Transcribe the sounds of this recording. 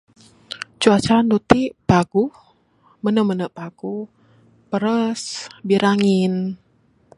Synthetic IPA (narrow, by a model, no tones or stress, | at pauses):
t͡ʃuat͡ʃaɾandut̪ipaɡu | mənəmənəʔpaɡ̥u | pəɾəsbiɾaŋin